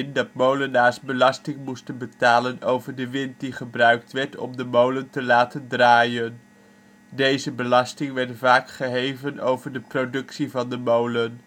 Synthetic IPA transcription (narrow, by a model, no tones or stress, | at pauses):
ndɑtmowlənaːɹsbəlɑstɪŋmustənbətaːlənowvəɹdəʋɪnt̚diχəbrœɥk̚tʋɛɹtɔ̰mdəmowləntəlaːtəndraːjən | dejzəbəlɑstɪŋʋɛɹtvaːkχəɦejvəno̰wvəɹdəprodɵksivɑndəmowlən